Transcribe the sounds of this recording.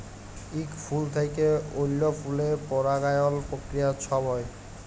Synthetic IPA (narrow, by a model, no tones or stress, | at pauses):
ikfʰult̪ʰejkeolːofʰulepɔɾaɡajolpɾokɾijat͡ɕʰɔbɔe